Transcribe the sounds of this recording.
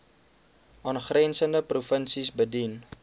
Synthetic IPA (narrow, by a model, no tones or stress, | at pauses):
ʔɑːnχrɛnsəndəprufənsisbədin